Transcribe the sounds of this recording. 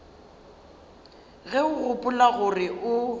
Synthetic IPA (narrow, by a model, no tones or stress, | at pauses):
ɣɛʊɣʊpʼʊlaɣʊrɪʔʊ